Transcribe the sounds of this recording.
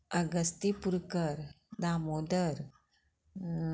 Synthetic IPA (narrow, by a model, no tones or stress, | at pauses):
əɡəst̪ipuɾkəɾ | d̪amod̪əɾ